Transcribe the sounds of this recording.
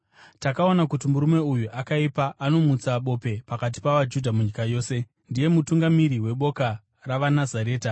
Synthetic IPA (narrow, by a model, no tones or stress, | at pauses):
takao̞nakutimuɾume̞ujuʔakaipaʔano̞mut͡saɓo̞pe̞pakat̬i̥paʋad͡ʒudʱamuɲikajo̞ːse̞ | ndije̞mutuŋɡamiɾiwe̞ɓo̞ka | raʋanazaɾe̞ːta